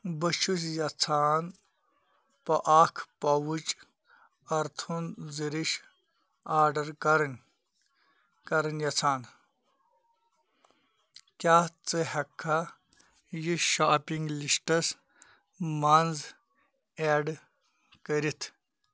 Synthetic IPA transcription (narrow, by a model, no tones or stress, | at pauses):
bɐʃusjɐt͡sʰaːn | pɐʔaːkʰpɐwut͡ʃ | ɐɾt̪ʰunziɾiʃ | aːɾɖɐɾkɐɾnʲ | kɐɾɐnjɐt͡sʰaːn | kʲaːt͡sɨhɐkʰːa | jiʃaːpiŋɡliʂʈɐs | maːnz | eːɖ | kəɾit̪ʰ